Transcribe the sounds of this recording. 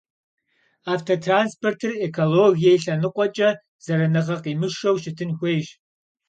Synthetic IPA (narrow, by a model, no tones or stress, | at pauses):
aːftʰotʰraːnspʰortʰɨrekʰoloɣijejɬɐnɨqʷʼɔt͡ʃʼɐ | z̥ɐɾɐnɨʁɐqiːmɨʃɐwʃɪtʰɨnxʷejʒ